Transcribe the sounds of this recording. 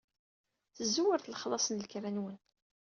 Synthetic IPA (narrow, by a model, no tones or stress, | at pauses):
θəzːuwəɾθləχlˤɑsˤənlkɾænwən